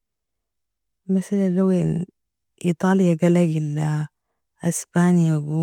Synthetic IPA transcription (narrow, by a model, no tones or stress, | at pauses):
masalalawn | ʔiːt̪ˤɑːlijaɡalaɡil | ʔasbaːnijaɡu